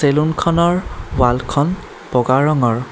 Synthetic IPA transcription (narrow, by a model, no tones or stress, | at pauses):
selunkʰɔnɔɹwalkʰɔn | pɔɡaɹɔŋɔɹ